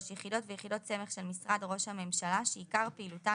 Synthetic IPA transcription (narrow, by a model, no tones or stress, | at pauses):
ʃjeχido̞tvejeχido̞t̚t͡se̞me̞χʃe̞lmisʁadʁo̞ʃhame̞mʃalaʃeikaʁpeiluta